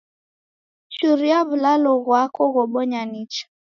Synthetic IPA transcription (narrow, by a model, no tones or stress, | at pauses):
t͡ʃuɾiaβulalɔɣwakɔɣɔɓɔɲanit͡ʃḁ